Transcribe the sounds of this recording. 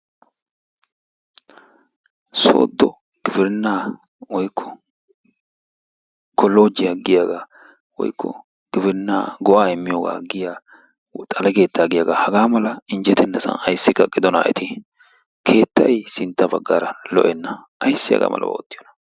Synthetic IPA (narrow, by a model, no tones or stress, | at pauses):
so̞̰ːd̪ːɔ | ɡ̥ɪbɪɾɪnːaː | wɔjkːɔ̥ | kɔlo̞ːd͡ʒɪjaɡɪjaːɡaː | wɔ̰jkːɔ̰ | ɡ̥ɪbɪɾɪnːa̰ːɡɔʔaːɪmːɪjoːɡa̰ːɡɪjaː | t̪ʼɐlɛke̞ːt̪ːaːɡɪjaːɡaːhɐɡaːmɐlɐɪnd͡ʒɛt̪ɛnːɐsɐ̰nɐjsːɪkːɐkʼːɪd̪ɔna̰ːʔɛ̰t̪ʰɪ | kʰe̞ːt̪ːɐjsɪnt̪ːɐbɐ̰ɡːaːɾɐlɔ̰ʔɛnːɐʔɐjsːɪjɐ̰ɡa̰ːmʔɐ̰lʔɐ̰wo̰ːt̪ːɪjɔnɐ̥